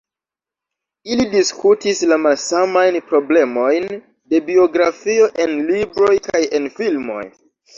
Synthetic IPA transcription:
ilidiskʰutislamalsamajnpɾo̞ble̞mo̞jn | de̞bio̞ɡɾafio̞ʔe̞nlibɾo̞jkaje̞nfilmmo̞̰j

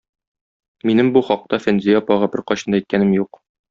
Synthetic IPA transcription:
minɘmbuχɒq̚t̪ɑfænzʲijapɒʁæpɘɾqɒɕɤ̆nd̪ɑɛjt̪̚kænɘmjuq

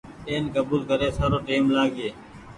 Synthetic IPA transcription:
eːnkəbuːlkəɾeːsaːɾoːʈiːmlaːɡeː

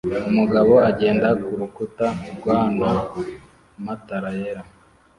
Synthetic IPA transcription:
umuɡaβo̞aɟe̞ːndakuɾukutaubɡwaːnda | mataɾajeɾa

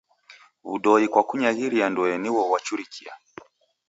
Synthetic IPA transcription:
βuɗɔikwakuɲaɣiɾiandɔɛniwɔwat͡ʃuɾikia

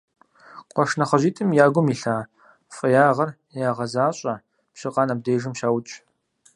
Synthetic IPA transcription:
qʷʼɔʂnɐχɐʑiːtʰʼɨmjaːɡʷʊmiːɬaː | fʼɐjaːʁɐr | jaːʁɐzaːɕʼɐ | pɕɪqʼɑːnɐb̚deːʒɨmʃaːwʊt͡ʃʼ

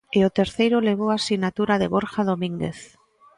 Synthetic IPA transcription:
eot̪eɾθejɾoleβ̞oasinat̪uɾaðeβoɾxað̞omĩŋɡḛθ

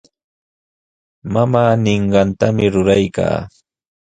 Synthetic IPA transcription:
mamaːnɪɴɢɑnt̪amɪɾʊɾajka̰ː

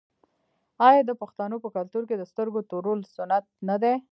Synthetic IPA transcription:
ɑjɑd̪əpaxt̪anopəkalt̪uɾked̪əst̪əɾɡot̪oɾolsʊnat̪̚nad̪e

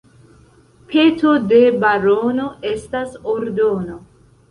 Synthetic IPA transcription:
pʰetode̞baɾono̞estasoɾdono̞

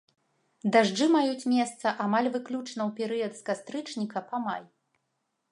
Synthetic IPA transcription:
d̪aʐd͡ʐɨmajut͡sʲmʲɛst̪sɐʔamalʲvɨklʲut͡ʂnɐwpʲɛɾɨjɐd̪skast̪ɾɨt͡ʂnʲikɐpamaj

